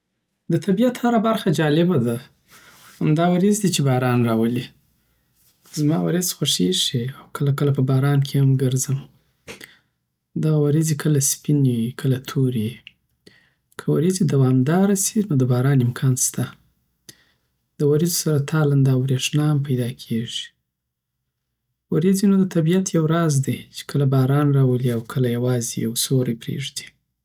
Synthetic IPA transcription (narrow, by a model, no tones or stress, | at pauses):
d̪ət̪ʰabijat̪haɾabaɾxad͡ʒɑlɪbad̪a | hamd̪ɑwaɾizd̪it͡ʃebɑɾɑnɾɑwəli | zmɑwa̰ɾɪzxaʂeʂiawkʰəlakəlapəbɑɾɑnkʰehamɡəɾzəm | d̪ɑwaɾizikʰəlaspinwikʰəlat̪ʰoɾji | kʰəwaɾizid̪awɑmd̪ɑɾasinod̪əbɑɾɑnɪmkʰɑnst̪a | d̪̥əwaɾizosaɾat̪ʰɑland̪ɑbɾeʂnɑhampajd̪ɑkʰeʐi̥ | waɾizinod̪ət̪abijat̪jawɾɑzd̪it͡ʃe̥kʰəlabɑɾɑnɾɑwəliawkʰəlajawɑzḭa̰wsoɾajpɾḛʐd̪i̥